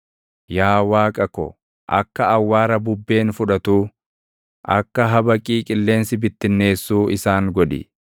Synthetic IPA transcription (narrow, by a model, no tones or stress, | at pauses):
jaːwaːkʼɐkɔ̰ | ʔɐ̰kːɐːwːaːɾɐbʊbːe̞ːnfʊᶑɐt̪uː | ʔɐ̰kːɐɦɐbɐkʼiːkʼɪlːe̞ːnsɪbɪt̪ːɪnːe̞ːsːuːɪsaːŋɡɔᶑɪ̰